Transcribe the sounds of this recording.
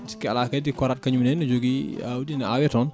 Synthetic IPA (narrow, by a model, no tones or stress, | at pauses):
skɛɐlaːkɛdikɔɾat̚kɐɲumnɛnud͡ʒoɡia̰wdinɐawɛtɔn